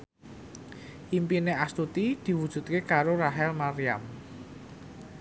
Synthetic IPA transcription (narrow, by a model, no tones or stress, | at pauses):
ʔimpineʔast̪ut̪id̪̥i̤wud̥ʒ̥ṳt̪̚kekaɾoɾaɦɛlmaɾiam